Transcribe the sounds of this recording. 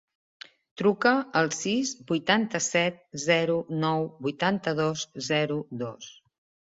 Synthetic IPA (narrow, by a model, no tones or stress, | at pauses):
t̪ɾukəəlˠsizbujt̪ant̪əsɛt̪̚zɛɾunɔwbujt̪ant̪əð̞ozzɛɾud̪os